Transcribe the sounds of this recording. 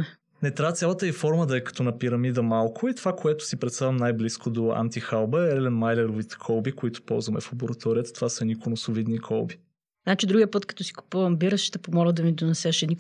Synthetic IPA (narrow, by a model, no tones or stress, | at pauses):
nɛt̪ɾʲavət̪ʲalˠət̪əifɔɾməd̪ɐɛkɐ̥t̪ɔnɐpiɾɐmid̪əmalˠkʰʊit̪ovakoɛt̪ʊ̥sipɾɛt̪st̪avɐmnajbliskod̪oa̰nt̪ixalˠbəɛɛɛlɛnmajlɛɾovit̪ɛ̥kʰɔlˠbikoit̪ʊ̥pɔ̰lˠzvɐmɛ̰flˠɐboɾɐt̪ʰɔɾiət̪ət̪ovasɐnikonosolid̪nikʰɔlˠbi̥ | znat͡ʃid̪ɾuɡijəpɤt̪kɐ̥t̪ɔsi̥ku̥puvɐmbiɾəʃt̪ɛpomɔlʲəd̪ɐmid̪onɛsɛʃɛd̪nʲi